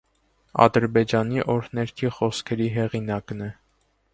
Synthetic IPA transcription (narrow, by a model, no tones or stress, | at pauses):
ɑ̰d̪əɾbɛd͡ʒɑniʔɔɾnɛɾkʰiχɔskʰɛɾiɦɛʁinɑknɛ